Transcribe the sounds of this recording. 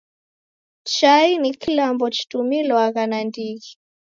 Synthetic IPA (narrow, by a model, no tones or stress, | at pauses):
t͡ʃainikilambɔt͡ʃi̥tumilwaɣanandiɣi